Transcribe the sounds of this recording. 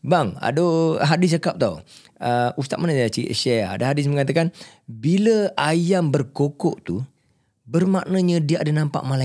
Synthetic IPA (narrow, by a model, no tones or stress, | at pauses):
baŋa̰doɦadɪs̬t͡ʃakap̚t̪au | əust̪at̪̚manasaat͡ʃiə̰ʃɛaa̰daɦadɪs̬məŋat̪̬akanbiləajambərkokɔʔt̪u | bərmaʔnəɲãdiaʔadanãmpa̰ʔmala